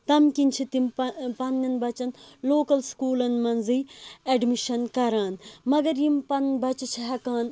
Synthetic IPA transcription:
t̪ɐmkint͡ʃʰit̪impɐnːɐnbɐt͡ʃɐnloːkɐlskuːlɐnmɐnzieɖmiʃɐnkɐɾaːnmɐɡɐɾjimpɐnbɐt͡ʃut͡ʃʰiɦɐkaːn

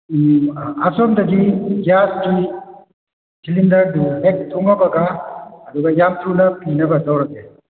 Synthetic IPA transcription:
asɔmdɐɡiɡiaski | silindɐɾduɦek̚tuŋabaɡaːd̪uɡajamtʰɾunɐpinɐbazawɾaɡe

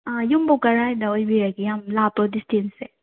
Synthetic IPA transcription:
ajumbokɐɾajdaojbiɾaɡijamlap̚tɔdistinse

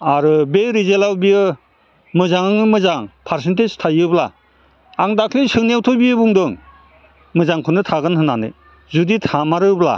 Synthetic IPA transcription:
aɾɯbeɾizelawbiɯ | mɯzaŋɯŋɯmɯzaŋpʰaɾsenteztʰajɯbla̰ | aŋdakʰlisɯŋnawtʰɔbijɯbuŋdɯŋ | mɯzaŋkʰɯnɯtʰaɡɯnhɯnanɯ̰ | zuditʰamaɾɯbla̰

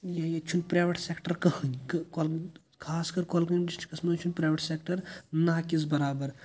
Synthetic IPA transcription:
jajɐt͡ʃʰunpɾaːjʋeʈseːkʈəɾkɐɦə̃ŋkkol | kʰaːskɐɾkolkɐnɖisʈkɐsmɐt͡ʃʰunpɾaːjʋeʈseːkʈəɾnaːkisbɐɾaːbɐɾ

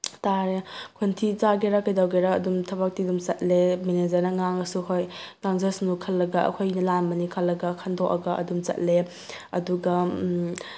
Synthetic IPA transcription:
taɾekʰontʰizaɡeɾakejdawɡeɾaɐ̰dumtʰɐbak̚tidumsɐt̚lemened͡ʒɐɾnɐŋaŋɐsuhojŋaŋzesnukʰɐlːɐɡaɐ̰kʰojnɐlambɐnikʰɐlːɐɡɐkʰandʰoʔɐɡaʔɐ̰dumt͡ʃɐ̰t̚le | ɐduɡɐ

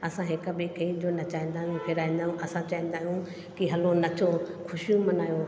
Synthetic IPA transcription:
ɐsãɦɪkəbeːkʰɐid͡ʑoːnɐt͡ɕaːĩn̆d̪aːɦjũkʰɪɾaːĩnd̪aːjũʔɐsãt͡ɕaːɦĩːn̆d̪aːɦijũ | kiɦɐlonɐt͡ɕʰo | kʰʊʃijũmɐnaːjo

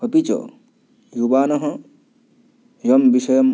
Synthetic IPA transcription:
ɐpit͡ʃo̰ | jubaːnɐɦɐ | jɐmbisɐjɐm

